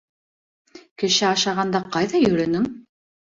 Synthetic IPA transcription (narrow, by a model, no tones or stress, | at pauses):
kɘ̆ʃɘɑʃɑʁɑnd̪ɑqɑjðɑjɵ̆ɾɘ̆nɘŋ